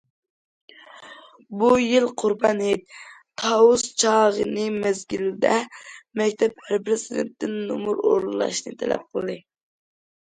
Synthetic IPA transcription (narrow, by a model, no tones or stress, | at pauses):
bujilˠqʰuɾbɑnhet̪t̪ʰɑust͡ʃʰɑʁənɨmæzɡʲild̪ɛmɛkʲt̪ʰɛp̚hæɾpʰɾɪzid̪ent̪ːɪnːumuɾo̰ɾllˠɑ̰ʃnɨt̪ʰɛ̰lɛ̰p̚qʰəlˠɨd̪ɨ